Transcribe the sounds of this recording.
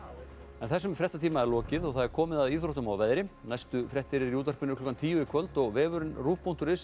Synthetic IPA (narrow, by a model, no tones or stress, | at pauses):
ɛnθɛsːʏmfɾɛht̪at̪ʰiːmaɛɾlɔːcɪðɔɣθaðɛɾ̥kʰɔːmɪðaðiːθɾoht̪ʏmawvɛðɾɪnajst̪ʏfɾɛht̪ɪɾɪɾiuːt̪aɾ̥pɪnːʏklɔkːant̪ʰiːjʏɪkʰvœlt̪ɔɣvɛːvʏɾɪnruːfpʰun̥t̪ʏɾɪs